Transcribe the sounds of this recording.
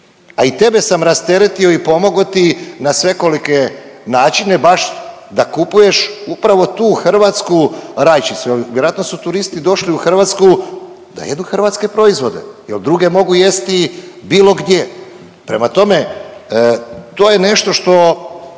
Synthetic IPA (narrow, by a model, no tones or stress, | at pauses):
ait̪e̞be̞samɾast̪e̞ɾe̞t̪io̞ipo̞moɡot̪inasʋe̞ko̞like̞ | naːt͡ʃine̞baʃ | d̪akupuje̞ʃupɾaʋo̞t̪uːxr̩ʋat̪skuɾajt͡ʃisujelʋjeɾoat̪nosut̪uɾist̪id̪o̞ʃliuxr̩ʋat̪sku | d̪a̰jed̪uxr̩ʋat̪ske̞pɾo̞izʋo̞d̪e̞̰jeld̪ɾuɡe̞mo̞ɡuje̞st̪ibiːlo̞ɡd̪je | pɾe̞mat̪o̞me̞ | t̪o̞ːje̞ne̞ʃt̪o̞ʃt̪o̞